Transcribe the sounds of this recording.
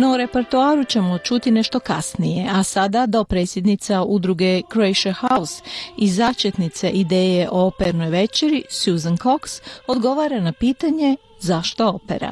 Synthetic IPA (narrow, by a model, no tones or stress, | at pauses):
nouɾe̞peɾt̪uaːɾut͡ɕe̞mo̞t͡ʃut̪ine̞ʃt̪o̞kasnije̞asad̪ad̪o̞pɾet̪sʲjed̪nit̪saud̪ɾuɡe̞kɾoejʃahausizat͡ʃet̪nit̪seʔid̪e̞ːjeʔoopeɾno̞jʋe̞t͡ʃeɾisjuːzanko̞kso̞d̪ɡo̞ʋaːɾanapiːt̪aɲe̞ | zaʃt̪o̞opḛɾa̰